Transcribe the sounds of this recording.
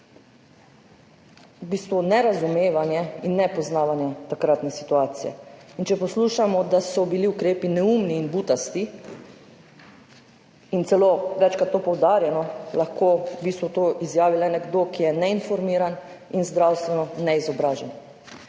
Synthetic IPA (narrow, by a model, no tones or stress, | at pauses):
wbiːst̪ʋunɛɾazumeːʋanjɛinːɛpɔznaːʋanjɛt̪akɾat̪nɛsit̪uaːt̪sijɛ̰int͡ʃɛpɔsluːʃamɔd̪asɔbiliukɾeːpinɛumniːnbuːt̪ast̪i | int̪sɛloʋɛt͡ʃkat̪ːopɔwd̪aːɾjɛnɔlaxkoːbiːst̪ʋut̪oːʔizjaːʋilɛnɛɡd̪oːkijɛnɛinfɔɾmiːɾan | inzd̪ɾawst̪ʋɛnɔnɛizɔbɾaːʒɛn